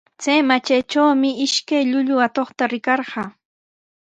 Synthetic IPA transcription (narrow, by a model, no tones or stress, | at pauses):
t͡sajmat͡ʃajt͡ʃawmɪɪʃkajʎʊʎʊat̪oχt̪aɾɪkɑɾɢɑː